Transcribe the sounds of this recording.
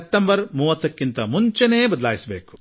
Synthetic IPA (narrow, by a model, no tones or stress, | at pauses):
p̚ʈ̪ːɐmbɐɾmuːʋɐt̪ːɐkːint̪ɐmuɲt͡ʃɐneːbɐd̪ɐlaːjisɐbeːku̥